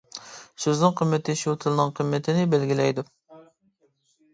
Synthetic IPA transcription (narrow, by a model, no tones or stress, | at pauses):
søznɨŋqʰəmːɛt̪ʰɪʃit̪ʰɨlˠnɨŋqʰəmːɛt̪ʰɪnɪbælɡʲilɛjd̪u